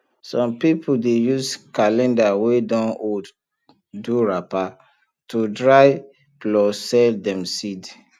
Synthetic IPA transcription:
sɔ̃mpipʰudejuzkalɛ̃ndawedɔ̃nod | duɹapa | tʰudɹaɪ | plɔsɛldɛ̃msid

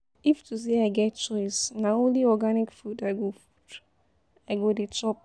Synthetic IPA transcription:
iftuseaɪɡɛt̚t͡ʃɔɪsnaõnliɔɡanikfudaɪɡofud | aɪɡodet͡ʃɔp̚

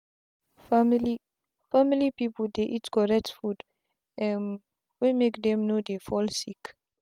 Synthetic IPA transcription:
mili | familipipəldeʔitkɔɹɛk̚tfud | ɛm | wimekdɛ̃mnodefɔlsik

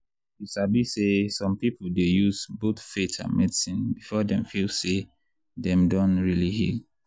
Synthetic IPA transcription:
isabisesɔ̃mpipldejuzboθfetʰã̰nmʔɛdisĩnbifɔdɛ̃mfilse | dɛ̃mdɔ̃nɹilihḭ

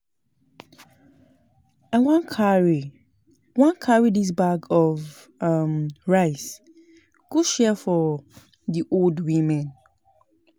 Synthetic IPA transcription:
awãnkʰaɹi | wãnkʰaɹidis̬baɡɔv | amɹaɪs | ɡ̥uʃɛfɔ | ðiʔoldwĩmɛ̃n

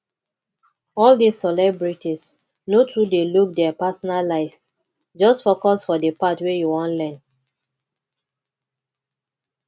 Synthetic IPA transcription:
ɔldisɛlɛbɹitis | notʰɹudeluk̚dɛapasɔnallaɪfs | d͡ʒɔstfokɔsfɔdepatwejuwɔ̃nlɛ̃n

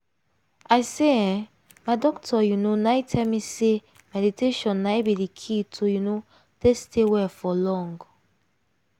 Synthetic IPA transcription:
aɪseɛ̃ | madɔktʰɔjunonaitʰɛlmise | mɛditeʃɔ̃nːaibidikʰitʰojuno | testʰewɛfɔlɔ̃ŋɡ

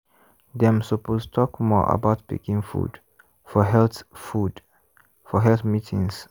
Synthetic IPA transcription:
d̪ɛ̃msɔpostʰɔkmɔ̰ʔə̰baʊt̚bɪ̰kɪ̃ŋfṵd | fɔɦɛlθfud | fɔɦɛlθmitʰɪ̃ŋs

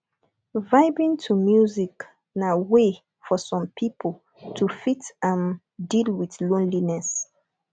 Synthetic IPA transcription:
vaɪbĩŋtʰumjuzik | nawe | fɔsɔ̃mpʰipʰol | tʰufitãn | dilwiθlõnlinɛs

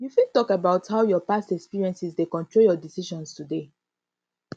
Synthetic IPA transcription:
jufĩtɔkabaʊthaʊjɔpastɛkspiɹiɛ̃nsisdekɔ̃ntɹoljɔdisiʃɔ̃nstude

